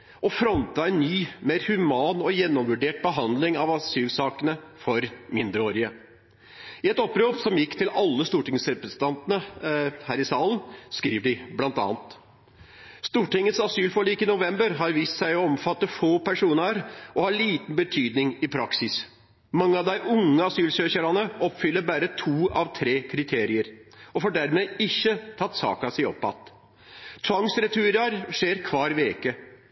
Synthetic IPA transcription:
ɔfɾɔnt̪ɑɛnːyːmeːɾhʉmɑːnɔjɛnːɔmʋʉɖeːʈ̚bəɦɑnd̪lɪŋɑʋɑsyːlsɑːkənəfɔɾmɪnd̪ɾəoːɾɪə | ɪɛt̪ɔpːɾoːpsɔmjɪkːt̪ʰɪlɑlːəst̪uːʈɪŋsɾɛpɾəsnt̪ɑnt̪ənəhæːɾɪsɑːlənskɾiːʋəɖɪblɑnt̪ɑ̰ːnt̪ | st̪uːʈɪŋːət̪sɑsyːlfɔɭiːkɪnʊʋɛmbəɾɦɑɾʋiːst̪sæɪɔɔmfɑt̪ːəfoːpʰæʂuːnəɾɔhɑɭiːt̪n̩bət̪ʰyːd̪nɪŋɪpʰɾɑksɪs | mɑŋːəɑʋd̪æɪʔʊŋːəɑsyːlsøːçəɾɑnəɔpfʏlːəɾbæːɾət̪ʰuːɑ̰ʋt̪ʰɾeːkʰɾɪt̪ʰeːɾɪəɾɔfoːɖæɾmeːɪçːət̪ʰɑt̪ːsɑ̰ːkɑsæɪɔ̰pːɑ̰t̪ | t̪ʰʋɑŋsɾɛt̪ʰʉɾɑɾʂeːɾkʰʋɑːɾʋeːkə

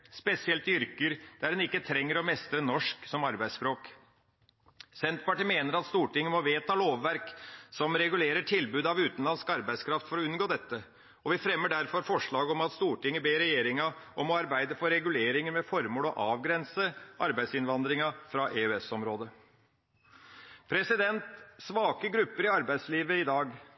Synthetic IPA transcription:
spɛsɪɛlt̪ʏɾkəɾd̪̥æɾdɛnɪkːət̪ʰɾɛŋːəɾɔmɛst̪ɾənɔʂksɔmɑɾbæɪspɾoːk | sɛnt̪pɑʈiːmeːnəɾɑt̪st̪uːʈɪŋːəmɔʋeːt̪ʰɑloːʋːæɾksɔmɾɛɡʉleːɾəʈʰɪlbʉːd̪ɑʋʉːt̪nlɑnskɑɾbæɪskʰɾɑft̪fɔɾɔʉnɡoːd̪ɛt̪ːə | ɔʋɪfɾɛmːəɖæɾfɔɾfɔʂɭɑːɡəɔmɑt̪st̪uːʈɪŋːəbeːɾɛjeːɾɪŋɑɔmɔɑɾbæɪd̪əfɔɾɛɡʉleːɾɪŋəɾmɛfɔɾmoːlɔʔɑːʋɡɾɛnsəʔɑɾbæɪsɪnʋɑnd̪ɾɪŋɑfɾɑʔeːʉɛsɔmɾoːd̪ə | pʰɾɛsɪd̪ɛnt̪sʋɑːkəɡɾʉpːəɾɪɑɾbæɪsliːʋəɪd̪ɑːɡ

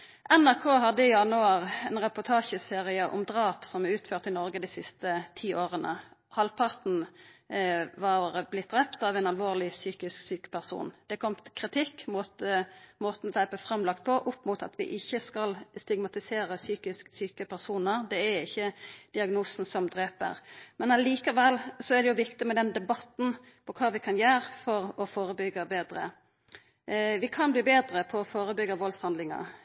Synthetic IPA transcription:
ʔɛnæʁkʰoːɦɑd̪əɪjɑnəɑʁɛnʁɛpʊt̪ʰɑːʃəseːʁɪəʔʊ̰md̪ʁɑːpsɔmæʉːt̪føːʁt̪ɪnɔɾɡəd̪ɪsɪst̪ət̪ʰiːʔoːʁənə̰hɑlpʰɑʁt̪n̩ | ʋɑʁblɪt̪̚d̪ʁɛpt̪ɑːʋɛɪnɑlʋoːʁlɪsyːkɪsksyːkə̥pæʁsṵːnd̪̥ɛkʰɔmt̪kʰʁɪt̪ʰɪkːmʊt̪moːt̪n̩ɔt̪ʰæɪpəfʁɑmlɑk̚t̪̚pʰɔʔʊpːmʊt̪ɑ̰t̪ʋɪ̰ʔɪçːəskɑlst̪ɪɡmɑt̪ɪseːɾəsyːkɪsksyːkəpʰæʁsuːnəʁd̪ɛæɪçːəd̪̥ɪɑɡnuːsn̩sɔmd̪ɾeːpə̰ʁmɛnɑliːkɑʋɛlsɔæʁd̪ɛjʊʋɪkt̪ɪmɛd̪ɛnd̪ɛbɑt̪n̩ | pʰɔkʰɑːʋɪkʰɑnjæːʁfɔɾɔfoːɾəbʏɡːəbeːd̪ɾə̰ | ʋɪkʰɑnbliːbeːd̪ɾəpʰɔɔfoːɾəbʏɡːəʋɔlshɑnd̪lɪŋɑ̰

